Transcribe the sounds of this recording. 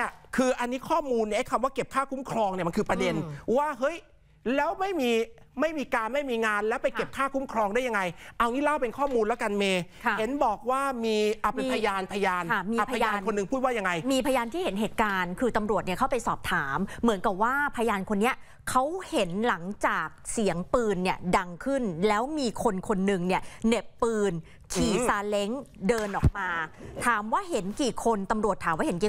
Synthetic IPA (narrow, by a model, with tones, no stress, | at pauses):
kʰɯː˧ʔa˧nːi˦˥kʰɔː˥˩muː˧nːi˥˩ha˥˩kʰa˧mwaː˥˩ke˨˩p̚kʰaː˥˩kʰu˦˥mkʰɾɔː˧ŋni˩ma˧kʰɯː˧pɾa˧de˧nwaː˥˩ɦɤ˦˥j | lɛː˦˥wma˥˩jmiː˧ | ma˥˩jmiː˧kaː˧nma˥˩jmiː˧ŋaː˧nlɛː˦˥wpa˧jke˨˩p̚kʰaː˥˩kʰu˦˥mkʰɾɔː˧ŋdaː˥˩ja˧ŋːa˧jʔa˧wniː˦˥lɛ˦˥˩pe˧nkʰɔː˥˩muː˧nlɛ˦˥wka˧nmeː˧˦˩he˩˦nbɔː˨˩k̚waː˥˩miː˧ʔa˨˩pe˧npʰa˧jaː˧npʰa˧jaː˧na˥˩miː˧a˨˩pʰa˧jaː˧kʰo˧nːɯ˨˧ŋʰpʰuː˥˩waː˥˩ja˧ŋːa˧jmiː˧pʰa˧jaː˧nt̪ʰiː˥˩he˩˦nɦeː˨˩t̪̚kaː˧nkʰɯː˧t̪a˧mɾu˨˩ət̪ni˥˩ɐkʰa˦˥wpa˧jsɔː˨˩p̚t̪ʰaː˩˦mːɯ˩˦nka˨˩p̚waː˥˩pʰa˧jaː˧nkʰo˧nːi˦˥ɐ | kʰa˦˥whe˩˦nla˩˦ŋt͡ɕaː˨˩k̚si˩˦əŋpɯː˧nːi˥˩əda˧ŋkʰɯ˥˩nlɛː˦˥wmiː˧kʰo˧nkʰo˧nːɯ˨˧ŋni˥˩əne˨˩pːɯː˧n | kʰiː˨˩saː˧le˦˥ŋdɤː˧nʔɔː˨˩k̚maː˧t̪ʰaː˩˦mwaː˥˩ɦe˩˦nkiː˨˩kʰo˧nt̪a˧mɾu˨˩ət̪ʰːaː˩˦waː˥˩he˩˦nkiː˨˩